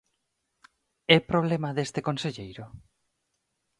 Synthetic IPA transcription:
ɛpɾoβlemaðest̪ekonseʎejɾʊ

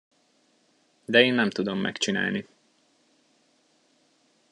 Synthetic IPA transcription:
d̪ɛeːnːɛmt̪ud̪omːɛ̰kt͡ʃina̰ːlni

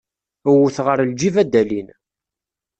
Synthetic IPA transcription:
əwuθʁəɾld͡ʒivæd̪ælin

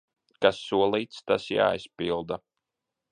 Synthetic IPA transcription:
kasːuɔlˠiːt̪st̪asja̰ːispilˠd̪a

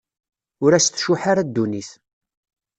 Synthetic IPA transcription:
ʊɾæst̪ːʃuħaɾad̪ːuniθ

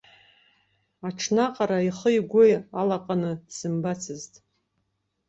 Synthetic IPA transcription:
aʈ͡ʂʰnaqʼaɾaiχəjɡʷʊjalaqʼanɨd̥z̥ɨmbat͡sʰɨztʼ

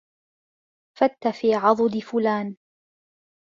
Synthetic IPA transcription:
fat̪ːafiːʕɑðˤʊd̪ɪfʊlaːn

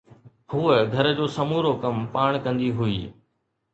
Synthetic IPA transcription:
huːəɡʱɐɾə̆d͡ʑoːsɐmuːɾokɐmpaːɽ̃kɐ̃nd̪iɦuḭː

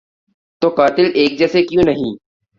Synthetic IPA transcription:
t̪oːkaːt̪ɪleːk̚d͡ʒɛːsekjũnɐɦĩː

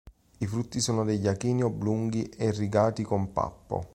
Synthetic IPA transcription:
ifɾut̪ːisɔːnod̪eʎːakiːniobːluŋɡiʔerːiɡaːt̪ikompa̰pːo̰

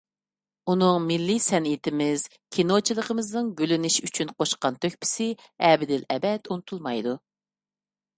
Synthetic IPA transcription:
unɨŋmɪlːɪsɛnit̪ɪmɪz̥ | kʲʰinot͡ʃʰilˠəqʰəmɨznɨŋɡʲølynɪʃyt͡ʃʰynqʰoʃqɑnt̪ʰøkʲpʰɪ̥sɪ | ɛbɪd̪ɪlɛbɛt̪unɨt̪ʰulˠmɑjd̪u

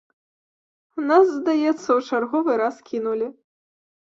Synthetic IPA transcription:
naszd̪ajɛt̪sːɐwt͡ʂarɣɔvɨɾaskʲinulʲi

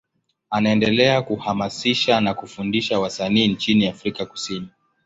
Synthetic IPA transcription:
anaɛndɛlɛakuhamasiʃanakufundiʃawasaniːnt͡ʃiniafɾikaku̥sini

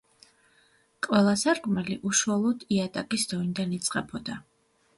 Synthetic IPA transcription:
qʼwɛlˠasaɾkʼmɛliʔuʃualˠɔd̪iat̪ʼakʼisd̪̥ɔind̪anit̪sʼqʼɛbɔd̪a

